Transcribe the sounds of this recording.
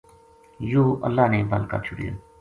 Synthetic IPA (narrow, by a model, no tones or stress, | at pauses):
joːʔə̰lːaːneːbəlka̰ːt͡ʃʰʊɽɪ̰ja̰ː